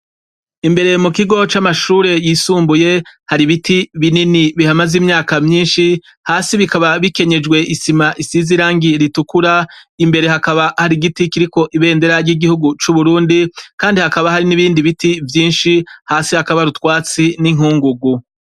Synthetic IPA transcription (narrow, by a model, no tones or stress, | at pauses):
imbe̞ɾe̞mukiɡo̞t͡ʃamaʃuːɾe̞jiːsuːmbuje̞haɾiβitiβininiβihamazimɲaːkamɲiːnʃi | haːsiβikaβaβike̞ɲe̞d͡ʒɡwe̞ʔisimaʔisiziɾaːŋɡiɾitukuɾaimbe̞ɾe̞ɦakaβahaɾiɡitikiɾiko̞ʔiβe̞ːnde̞ɾaɾjiɡihuɡut͡ʃuβuɾuːndikaːndihakaβahaɾiniβiːndiβitivjiːnʃihaːsihakaβaɾutwaːt͡siniŋuːŋɡuɡu